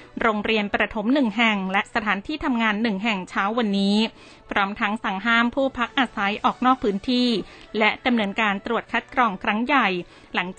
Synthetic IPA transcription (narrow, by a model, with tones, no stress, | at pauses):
ɾoː˧ŋɾi˧ənpɾa˧t̪ʰo˦˥mnɯ˨˩ŋɦɛ˨˩ŋlɛ˦˥ʔsa˧t̪ʰaː˩˦nt̪ʰiː˥˩t̪ʰa˧mŋaː˧nːɯ˨˩ŋɦɛ˨˩ŋt͡ɕʰaː˦˥wːa˧nːiː˦˥ | pʰɾɔː˦˥mt̪ʰa˦˥ŋsa˩˦ŋɦaː˥˩mpʰuː˥˩əpʰa˦˥k̚ʔaː˧sa˩˦jʔɔː˨˩k̚nɔː˥˩k̚pʰːɯː˦˥nt̪ʰiː˥˩lɛ˦˥ʔda˧mnɯ˧ənkaː˧nt̪ɾu˨˩ət̪̚kʰa˦˥t̪̚kɾɔː˧ŋkʰɾa˦˥ŋja˨˩j | la˩˦ŋt͡ɕː